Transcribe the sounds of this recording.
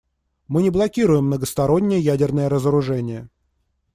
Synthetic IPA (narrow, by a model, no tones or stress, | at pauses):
mɨnʲɪblˠɐkʲiɾʊjɪmːnəɡəst̪ɐɾo̞nʲːɪjəjædʲɪrnəjəɾəzəɾʊʐɛnʲɪjə